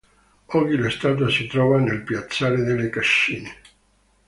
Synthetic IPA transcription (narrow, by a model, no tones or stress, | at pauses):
ɔɡilest̪aːt̪̬asit̪ɾɔːvanelpjat̪sːaːled̪elːekaʃːiːne